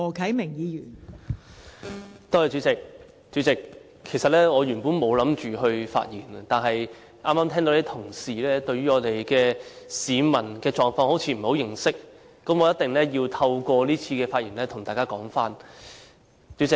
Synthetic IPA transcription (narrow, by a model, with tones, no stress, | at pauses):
ɔː˨˩kʰɐ˨˥jmɪ˨˩ŋjiː˨˧jyː˨˩n | t̪o˥hɐ˨jt͡ʃyː˨˥t͡sɪ˨˩k̚ | t͡ʃy˨˥t͡sɪ˨kʰː | e˨˩jsɐ˨t̚lɛː˥ŋɔː˨˧jɥyː˨˩npuː˨˥nmo˨˧wlɐ˨˥mt͡ʃyː˨ɦɵ˧ɥfa̰ː˧t̚jiː˨˩nɐ˨t̪aː˨nɦɐ˨j | ʔaː˥mːaː˥mt̪ʰɛː˥ŋt̪o˨˧˥lɛ˥t̪ʰʊ˨˩ŋsiː˨lɛː˥t̪ɵ˧ɥyː˥ŋɔː˨˧t̪e˨jkɛː˧siː˨˧mɐ˨˩nkɛː˧t͡ʃɔː˨ŋfɔː˧ŋho˨˥wt͡sʰiː˧m̩˨˩ho˨˥wjɪ˨˧ŋsɪ˥k̚ː | ɐ˨˥mɔː˨˧˦jɐ˥t̪̚ɪ˨ŋlɛː˥jiː˧wt̪ʰɐ˧wkʷɔː˧liː˥t͡sʰiː˧kɛː˧faː˧t̚jiː˨˩nlɛː˥t̪ʰʊ˨˩ŋt̪aː˨jkaː˥kɔː˨˥ŋfaː˥n | t͡ʃy˨˧˥t͡sɪ˨k̚